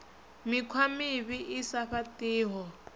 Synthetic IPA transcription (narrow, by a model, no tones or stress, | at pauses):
mikʰwamiβiʔisaɸatiːɦɔ